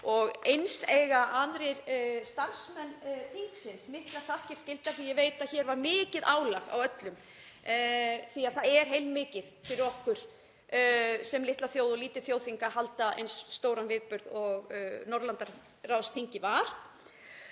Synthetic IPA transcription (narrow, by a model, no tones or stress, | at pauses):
ɔɣejnseːjɣaʔaðɾɪɾst̪ansmɛnːθiŋksɪnsmɪht̪lḁθahcɪɾ̥scɪlt̪aθijɛveːjt̪aðçɛɾvaɾmɪːcɪðʔaːwlaɣa̰wœt̪lʏm | θiaðθaðɛɾ̥ɦejlmmɪːcɪðfɪɾɪɾɔhkvʏɾ̥ | sɛmlɪht̪laθjoːwðɔliːt̪ɪ̥θjoːwθiŋkahalt̪aʔḛjnsːt̪oːwɾanvɪðpʏɾðɔɣnɔɾlant̪aɾrawst̪ʰiŋcɪvaɾ̥